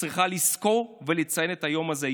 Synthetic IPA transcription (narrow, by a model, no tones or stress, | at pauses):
ʁiχalisko̞ʁvelet͡saje̞netajo̞maze